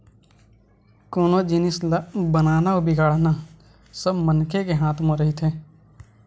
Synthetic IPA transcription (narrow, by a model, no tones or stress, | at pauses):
koːnod͡ʒinɪslbənaːnaobʱɪɡaːɽna | səbmənkʰekeɦãːt̪ʰmõɾəɦit̪ʰeː